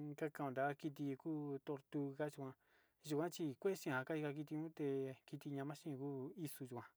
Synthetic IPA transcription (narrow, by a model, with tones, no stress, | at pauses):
ka˦kã˧˨õ˧˨nd̪a˨˦ki˧t̪̬i˧kuː˦t̪o˧ɾt̪u˧ka˦t͡ʃu˧kʷã˧ | ʒu˧kʷã˦t͡ʃi˧kʷe˦ʃĩ˧˦˨ã˧ka˦i˧ka˧ki˧t̪i˧ɲũ˦t̪e˧ki˧t̪i˧ɲã˧mã˦ʃĩ˦˧kuː˦i˧su˧ʒu˧kʷã˧